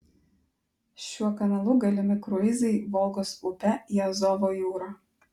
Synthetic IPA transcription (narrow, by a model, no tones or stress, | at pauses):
ʃʲuɔkɐnɐlˠʊɡɐlʲɪmʲɪkɾʊɪzʲɛɪʋɔlˠɡɔsʊpʲɛiɐzɔʋoːjuːɾaː